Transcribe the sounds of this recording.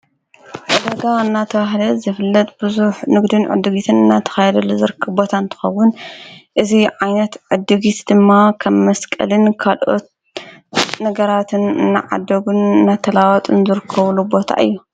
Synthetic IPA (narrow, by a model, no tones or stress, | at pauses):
ʔod̪ɐɡaɨnːat̪ʰɐβaɦlɐzɨfɨlːɐt̪ʼb̥ɨzuħnɨɡd̪ɨnʕɨ̰d̪ːɨɡit̪ʰɨnɨnːat̪ʰɐ̥xɐjɛd̪ɐlːuzɨɾkʰːɨbo̞t̪ʰant̪ʰɨ̥xɐwːʊnʔɨziʕajnɐt̪ʕɨd̪ːɨɡit̪d̪̥ɨmːakʰɐmmɐskʼɐ̰lɨnkʰalʔo̞t̪̚ | nɐɡɐɾat̪ʰɨnɨnːaʕa̰d̪ːɐɡunɨnːat̪ʰɐlawɔt̪ʼɨnzɨɾɨkʰːɐβlubo̞t̪ʰa̰ʔɨ̰jːu